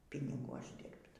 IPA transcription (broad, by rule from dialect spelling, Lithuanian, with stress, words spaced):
pʲɪnʲɪˈɡuː ˈɑːʒʲdʲɪrpt